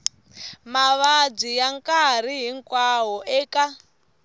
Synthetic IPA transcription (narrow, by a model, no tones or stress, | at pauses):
maβad͡zijaŋkʼaɾ̤iɦiŋkʼwaɦɔʔɛːka